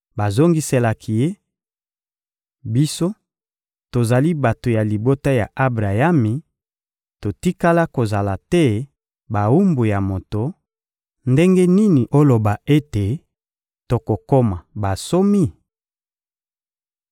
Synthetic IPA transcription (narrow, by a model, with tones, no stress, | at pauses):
ba˨zo˦ŋɡi˦se˦la˨kʰi˨je˦ | bi˦so˦ | to˨za˨li˦ba˨to˨ja˨li˨bo˦ta˦ja˨ʔa˦bʁa˨ja˦mi˨ | to˨ti˦ka˦la˦ko˨za˨la˨tɛ˦ | ba˨u˦mbu˨ja˨mo˨to˨ | nde˦ŋɡe˦ni˦ni˨ʔo˦lo˨ba˨e˦te˨ | to˨ko˨ko˦ma˨ba˨so˦mi˦